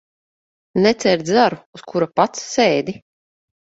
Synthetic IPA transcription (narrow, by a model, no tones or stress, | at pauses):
nɛt̪sɛɾd̪zaɾuuskuɾapat̪sːeːd̪i